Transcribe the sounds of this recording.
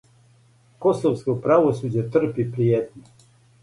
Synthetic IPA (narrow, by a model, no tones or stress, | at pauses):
kosoʋskopɾaʋosuːd͡ʑet̪r̩pipɾiet̪no